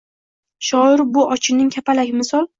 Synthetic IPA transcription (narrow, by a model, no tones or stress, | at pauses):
ʃɒɪɾbʊʔɒt͡ʃʰɪnɪŋkʲʰapʰalaɡʲɪmɪsɒlˠ